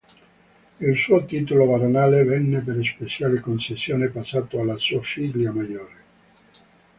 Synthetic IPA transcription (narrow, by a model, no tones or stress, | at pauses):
ilsuːot̪iːt̪olovaɾonaːlevɛnːepeɾespesjaːlekonsesːjoːnepasːaːt̪oalːasofiɡliamajoːɾe